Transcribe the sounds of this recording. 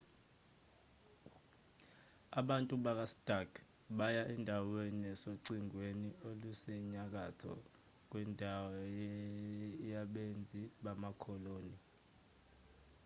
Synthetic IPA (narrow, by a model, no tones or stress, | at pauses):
aɓantʼuɓak̬astʼakʰ | ɓajaʔɛndʱawenɛsoǀiŋweniolusɛɲak̬atʰɔ̰ | k̬wɛndʱawɔɔjɛ | jaɓend͡zʱiɓamakʰɔloːni